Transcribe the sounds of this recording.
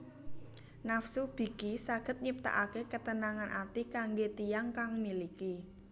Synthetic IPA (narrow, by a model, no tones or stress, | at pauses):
nafsub̥i̤kisaɡ̥ə̤t̪̚ɲip̚t̪a̰ʔakekət̪ənaŋanʔat̪ikaŋɡet̪ijaŋkaŋmiliki